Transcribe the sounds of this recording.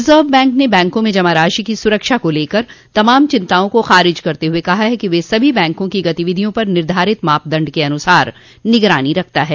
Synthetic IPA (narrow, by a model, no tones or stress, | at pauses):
ɪzəːʋbɛ̃ːŋknebɛ̃ːŋkõmẽd͡ʒɐmaɾaːʃikisʊɾəkʃakoleːkɐɾt̪ɐmaːmt͡ʃɪ̃nt̪aːõkoxaːɾɪd͡ʒkɐɾt̪eɦuekɐɦaɦɛkiʋesɐbʱibɛ̃ːŋkõkiɡɐt̪iʋɪd̪ʱijõpɐɾnɪɾd̪ʱaːɾɪt̪maːp̚d̪ɐ̃ɳɖkeɐnʊsaːɾ | nɪɡɾaːniɾɐk̚ʰt̪aɦɛː